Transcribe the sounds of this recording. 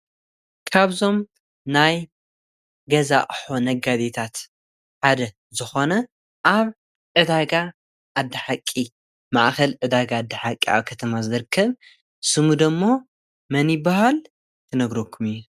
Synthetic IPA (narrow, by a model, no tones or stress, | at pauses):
kʰaβzo̞m | naj | ɡɐza̰ʔʼħonɐɡad̪et̪ʰat̪ | ħad̪ɐ | zɨxo̞nɐ | ʔaβ | ʕɨd̪aɡa | ʔːd̪ːɐħakʼːi | maʔxɐlʕɨd̪aɡaːd̪ːɐħakʼːia̰βkʰɐt̪ʰɐmazɨɾɨkʰːɐβ | sɨmud̪ɐmːo̞ | mɐnjɪbahal | t̪ʰɐnɐɡɾo̞kʰːumijːu